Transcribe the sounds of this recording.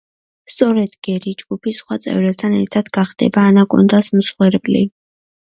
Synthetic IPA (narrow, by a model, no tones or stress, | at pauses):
st̪sʼɔɾɛd̪ɡ̥ɛɾid͡ʒɡupʰisχwat̪sʼɛ̰vɾɛb̚t̪ʰanɛɾt̪ʰad̪̥ɡaχd̪̥ɛ̰baːnakʼṵnd̪asmsχwɛɾpʼlḭ